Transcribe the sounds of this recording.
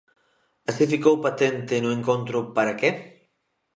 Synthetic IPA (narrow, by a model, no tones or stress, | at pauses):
asifikowpat̪ent̪ɪnʊẽŋkõnt̪ɾʊpaɾake